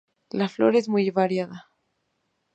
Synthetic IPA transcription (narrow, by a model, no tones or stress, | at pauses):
laflo̞̰ɾe̞zmujβaɾjaða